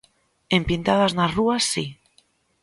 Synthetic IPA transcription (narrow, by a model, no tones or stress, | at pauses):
empint̪að̞aznazruasːi